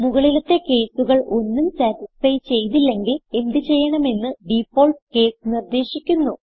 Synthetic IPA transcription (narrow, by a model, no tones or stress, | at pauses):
muɣɐɭilut̪ːe̞ke̞ːsuɣɐɭʔo̞nːumsæːtisfɐjt͡ɕe̞jt̪ilːe̞ŋɡile̞nd̪it͡ɕe̞jːɐɳɐme̞nːɨɖifo̞ːɭʈke̞ːsnird̪e̞ːɕikʲːunːu